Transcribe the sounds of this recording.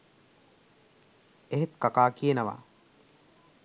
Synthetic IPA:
eɦet̪kakaːkijenəʋa̰ː

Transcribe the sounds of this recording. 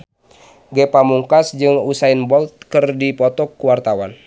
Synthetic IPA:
ɡɛpamuŋkasd͡ʒɨŋusainbɔlt̪̚kɨrdipɔt̪ɔkːuwart̪awa̰n

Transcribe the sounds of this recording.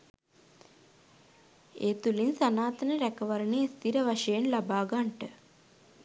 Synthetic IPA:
eːt̪ulinsanaːt̪ənəɾækəʋaɾənest̪iɾəʋaʂəjenlabaːɡaɳʈə

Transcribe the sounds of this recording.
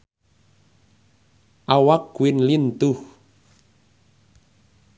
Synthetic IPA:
ʔawak̚ɡuwɪnlint̪ʊh

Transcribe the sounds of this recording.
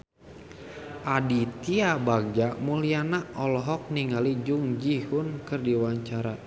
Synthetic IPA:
ʔadit̪iabaɡ̚d͡ʒaʔmulianaɔlɔɦɔk̚niŋalid͡ʒuŋd͡ʒihunkɨrdiwaɲt͡ʃaɾa

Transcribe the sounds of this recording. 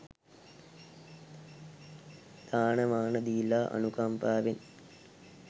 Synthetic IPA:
d̪̥aːɳɐmaːɳɐd̪ilaːʔɐ̰nukaːmpaːʋin

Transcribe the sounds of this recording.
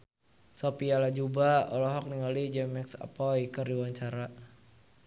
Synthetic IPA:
sɔpialad͡ʒubaɔlɔɦɔk̚niŋalid͡ʒɛmɛksa̰pɔjkərdiwaɲt͡ʃaɾa

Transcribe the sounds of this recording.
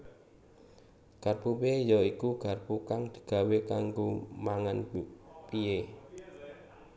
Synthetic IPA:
ɡ̥arpupiejɔikuɡ̥a̤rpukaŋd̪̥i̥̤ɡ̥a̤wekaŋɡomaŋanbupie

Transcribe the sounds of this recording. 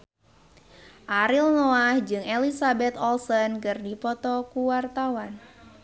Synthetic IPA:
ʔaɾilnoahd͡ʒɨŋelisabɛt̪ɔlsənkɨrdipɔt̪ɔkuwart̪awan

